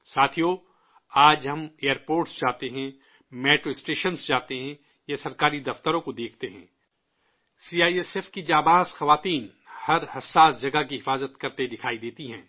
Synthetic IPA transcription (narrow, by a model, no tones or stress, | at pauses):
saːt̪ʰijoː | aːd͡ʒɦɐmeːəɾpoːɾʈsd͡ʒaːt̪eɦɛ̃ | mɛːʈɾoɪsʈeːʃənsd͡ʒaːt̪eɦɛ̃ | jasɐɾkaːɾid̪ɐft̪əɾõkod̪eːkʰt̪eɦɛ̰̃ː | siːaːiesefkid͡ʒaːbaːsxɐʋaːt̪iːn | hɐɾhɐsːaːsd͡ʒɐɡakiɦɪfaːzət̪kɐɾt̪ed̪ɪkʰaːid̪eːt̪iɦɛ̃ː